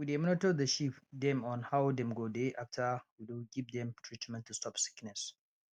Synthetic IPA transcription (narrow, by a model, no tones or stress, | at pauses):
widemɔnɔtod̚dəʃipdɛ̃mɔ̃nhawdɛ̃mɡodeʔaftʰawiduɡivd̪ɛ̃mtʰɹitmɛ̃ntʰːustʰɔpsi̥knɛs